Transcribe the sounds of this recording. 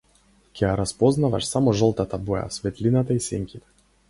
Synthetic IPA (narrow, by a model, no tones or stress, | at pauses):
kʲiaɾɐspɔznɐvɐ̰ʂsamɔʐɔlˠt̪at̪abɔja̰sʲvʲɛt̪ʲlʲinat̪ɐjsʲeŋʲkʲit̪